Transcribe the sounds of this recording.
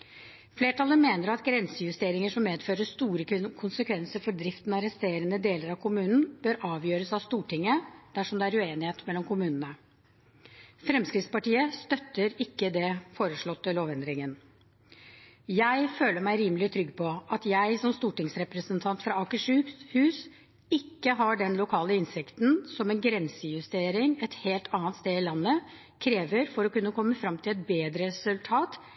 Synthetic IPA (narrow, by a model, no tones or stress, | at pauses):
fleːʈɑlːəmeːnəɾɑt̪ɡɾɛnsəjʉst̪eːɾɪŋəʂɔmmeːd̪føːɾəst̪uːɾəkʰʊnsəkʰʋɛnsəɾfɔɖɾɪft̪nɑɾɛst̪eːɾənəd̪eːləɾɑʋkʰʊmʉːnn̩b̥øːɾɑːʋjøːɾəsɑʋst̪uːʈɪŋːəd̪̥æʂɔmd̪ɛæɾʉeːnɪheːt̪mɛlːɔmkʰʊmʉːnənə | fɾɛmskɾɪt̪spɑʈiːəst̪œt̪ːəɾɪkːəd̪ɛfoːɾəʂɭɔt̪ːəloːʋɛnd̪ɾɪŋən | jæɪføːləɾmæɪɾiːməlɪt̪ʰɾʏɡːpʰɔɑt̪jæɪsɔmst̪uːʈɪŋsɾɛpɾəsənt̪ʰɑnt̪fɾɑɑkəʂʉhʉːs | ɪkːəɦɑɖɛnlʊkʰɑːləɪnsɪkt̪n̩sɔmɛnɡɾɛnsəjʉst̪eːɾɪŋɛt̪heːlt̪ʰɑːnt̪st̪eːɪlɑnːə | kʰɾeːʋəɾfɔɾɔkʉnːəkʰɔmːəfɾɑmːt̪ʰɪlɛt̪̚beːd̪ɾəɾɛsʉlt̪ʰɑːt̪